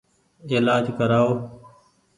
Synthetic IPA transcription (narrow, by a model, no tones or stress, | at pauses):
eːlaːd͡ʒkəɾaːoː